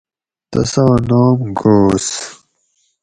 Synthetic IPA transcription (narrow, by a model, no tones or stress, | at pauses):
t̪ɐ̰sɐwnoːmɡoːs